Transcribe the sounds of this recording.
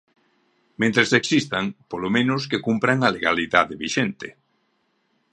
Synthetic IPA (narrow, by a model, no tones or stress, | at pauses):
mẽnt̪ɾeseksist̪aŋpolomẽnʊskekumpɾaŋaleɣaliðaðeβiʃent̪ɪ